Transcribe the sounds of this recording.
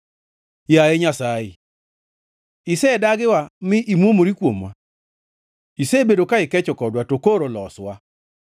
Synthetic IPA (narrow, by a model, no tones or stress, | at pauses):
jaeɲasaɪ̰ | ɪsɛdaɡɪwamɪʔimwomoɾikwomwa̰ | isebedokaɪkɛt͡ʃɔkɔdwatokoɾolɔswa